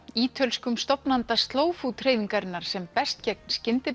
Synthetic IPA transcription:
iːt̪ʰœlskʏmst̪ɔpnant̪ast̪loːwfut̪ʰreːjðiŋkaɾɪnːaɾ̥sɛmpɛst̪cɛk̚nscɪnt̪ɪ

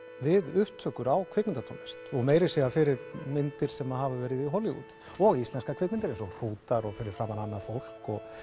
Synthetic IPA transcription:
vɪðʏht̪ʰhœːkʏɾawkʰvɪknɪnt̪at̪ʰɔ̰nɪst̪ɔɣmeːjɾɪsɛɣafɪɾɪɾmɪnt̪ɪɾ̥sɛmaðɦavavɛːɾɪðiɦɔlːɪṵt̪ | ɔɣist̪lɛnskakʰvɛkmɪnt̪ɪɾensɔr̥uːt̪aɾɔɣfɪɾɪɾ̥fɾaːmananːafowl̥kɔɣ

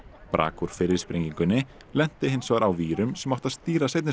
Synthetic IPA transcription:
pɾʔa̰ːkuɾ̥fɪɾɪɾ̥spɾeŋciŋkʏnːɪ | lɛn̥t̪ɪɦɪnsvaɾawviːɾʏmsɛmaht̪aðst̪iːɾasejt̪nɪ

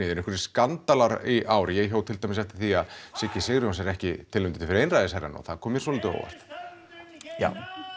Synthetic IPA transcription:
ɪːðɪnɛhkvɾ̥skant̪alaɾiʔaːwɾɪjɛɣçoːwt̪ʰɪlt̪ajmɪsɛft̪ɪ̥θiaðsɪcɪsɪɣɾʏɔnsɛɾɛhcɪt̪ʰɪlmɪnt̪ɪt̪ʰɪfɪɾejnrajðɪsajɾana̰wθaðkʰɔːmjɛ̥sɔːlɪːt̪ʏo̰ːwva̰r̥t̪ | ja̰w

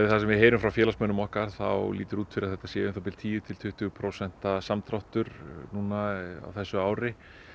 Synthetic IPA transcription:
ɪθasɛmvɪðɦeːjɾʏmfɾawfjɛːlasmœnʏmɔhkaɾ̥θa̰wliːt̪ʏɾuːt̪fɪɾɪɾaðθɛht̪ːasjɛːʏmθawt̪ɪlt̪ʰiːjʏt̪ʰɪlt̪ʰʏht̪ʰʏːɣʏpʰɾowsɛn̥t̪asamt̪ʰɾawht̪ʏɾnuːnaa̰wθɛsːʏaːwɾɪ

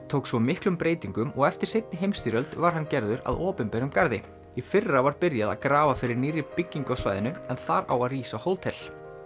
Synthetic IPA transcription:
t̪ʰoːwksvɔmɪhklʏmpɾeːjt̪iŋkʏmɔɣɛft̪ɪɾ̥sejt̪̚nɪɦejmst̪iːɾœlt̪vaɾ̥ɦancɛɾðʏɾa̰ðɔːpɪnpɛɾʏmkaɾðɪ | ifɪrːavaɾpɪɾjaða̰ðkɾaːvafɪɾɪɾniːɾɪpɪcːiŋkɔsva̰jðɪnʏɛnθaɾa̰waðriːsahowlt̪ʰɛl̥

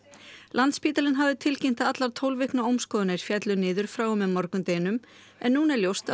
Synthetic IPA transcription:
lʔant̪spiːt̪alɪnɦavðɪt̪ʰɪlcem̥t̪aat̪laɾt̪ʰowlvɪhknaowmskɔːðʏnaɪɾ̥fjɛt̪lʏnɪːðʏɾ̥fɾaːwʏmɛðmɔɾkʏmt̪eːjnʏm | ɛnːuːnɛɾljowst̪a

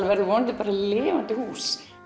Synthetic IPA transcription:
lvɛɾðʏvɔːnt̪ɪpaɾaleːvant̪ʏhuːs

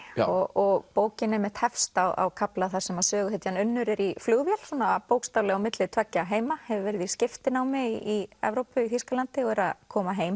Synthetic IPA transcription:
ɔɣɔɣpoːwcɪnɛmɛt̪hɛfst̪awa̰wkʰaplaθḁsɛmasœːɣʏhɛt̪janʏnːʏɾɪɾiflʏɣvjɛl̥sɔːnaːpoːwkst̪awlɛɣawmɪt̪lɪt̪ʰvɛcːaɦeːjmahɛvʏɾvɛɾɪðiscɪft̪ɪnawmɪiiɛ̰vɾowpʏiθiskalant̪ɪɔɣɛɾaðkʰɔːmaɦeːjm

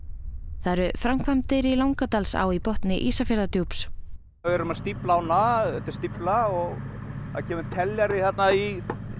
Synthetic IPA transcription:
θaɛɾʏfɾamkʰvamt̪ɪɾilawŋkat̪alsa̰wipɔht̪nɪʔiːsafjaɾðat̪jowps | vɛɾʏmast̪iplaawnaɛt̪ɪ̥st̪iplaɔɣ | aðcʰɛːmɪmt̪ʰɛljaɾɪθat̪nai

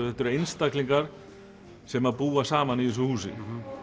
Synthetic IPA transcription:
θɛht̪ʏɾejnst̪akliŋkaɾ̥ | sɛmaðpuːasaːmaniis̬ɔhuːsɪ̰

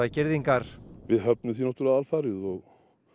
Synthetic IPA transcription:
acɪɾðiŋkaɾ̥vɪðɦœp̚nʏθinat̪uɾlaðaːlfaɾɪðɔɣ

